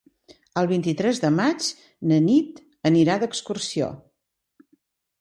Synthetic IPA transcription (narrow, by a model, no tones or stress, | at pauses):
əlˠβ̞int̪it̪ɾɛzðəmat͡ʃ | nənit̪ | əniɾad̪əkskursio̰